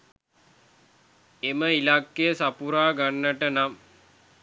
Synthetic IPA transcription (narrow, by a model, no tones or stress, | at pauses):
eməilakːeəsapuɾaːɡanːəʈənam